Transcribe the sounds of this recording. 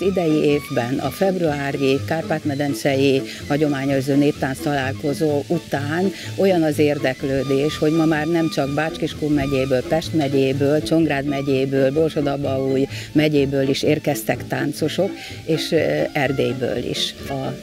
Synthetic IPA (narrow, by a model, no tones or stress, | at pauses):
zid̪ɛjieːvbɛnɒ̰fɛbruaːɾikaːrpaːt̪mɛd̪ɛnt̪sɛji | hɒɟo̞maːɲozøːneːp̚t̪aːnst̪ɒlaːlko̞zoːʔut̪aːn | o̞jɒnɒzeːrd̪ɛkløːd̪eːʃho̞ɟmɒmaːrnɛmt͡ʃɒɡbaːt͡ʃkiʃkuːmɛɟeːbøːlpɛʃt̪mɛɟeːbøːlt͡ʃo̞ŋɡraːd̪mɛɟeːbøːlbo̞lʃod̪ɒbɒuːjmɛɟeːbøːliʃeːrkɛst̪ɛkt̪aːnt̪so̞ʃo̞k | eːʃɛrd̪eːjbø̰ːlḭʃɒ